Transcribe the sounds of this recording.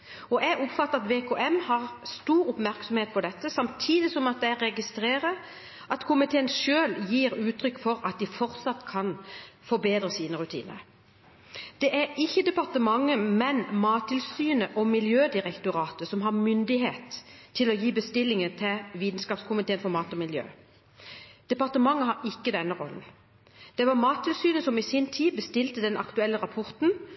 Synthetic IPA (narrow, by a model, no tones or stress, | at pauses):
ɔʔɛɡʊpfɑt̪ːəɑt̪ʋeːkʰoːʔɛmhɑʁst̪uːɾʊpmæʁksɔmheːt̪̚pʰɔd̪ɛt̪ːəsɑmt̪ʰiːd̪ɪsɔmɑt̪̚d̪ɛæɾɛɡɪst̪ɾeːɾə | ʔɑt̪kʰʊmɪt̪ʰeːənʃøːljiːɾʉːt̪ʰɾʏkːfɔɾɑt̪̚d̪ɪfɔɾt̪sɑt̪ːkʰɑnfɔɾbeːd̪ɾəsiːnəɾʉt̪ʰḭːnə̰ɾ | d̪̥ɛʔæɾɪçːəd̪ɛpɑʁt̪əmɑŋːəmɛnmɑːt̪ʰːɪlsyːnəʔɔmɪljøːd̪ɪʁɛkt̪ʊʁɑːt̪əsɔmɦɑʁmʏnd̪ɪheːt̪ʰːɪlɔjiːbəst̪ɪlːɪŋət̪ʰɛʋiːd̪n̩skɑːpskʰʊmɪt̪ʰeːənfɔɾmɑːt̪ɔmɪljø̰ː | d̪̥ɛpɑʁt̪əmɑŋːəɦɑɾɪkːəd̪ɛnːəʁɔ̰lən̩ | d̪̥ɛʋɑʁmɑːt̪ʰːɪlsyːnəsɔmɪsɪnt̪ʰiːbəst̪ɪlt̪əd̪ɛnʔɑ̰kt̪ʉɛlːəʁɑpʰɔʁt̪n̩